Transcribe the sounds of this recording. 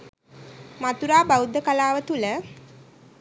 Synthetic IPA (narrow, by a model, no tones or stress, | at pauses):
mat̪uɾaːbawud̪ːəkalaːʋət̪ulə